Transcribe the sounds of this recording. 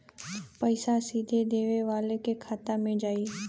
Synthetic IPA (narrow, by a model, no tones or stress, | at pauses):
pəɪsasiːd̪ʱed̪eːʋeʋaːlekekʰaːt̪amẽd͡ʒaːiː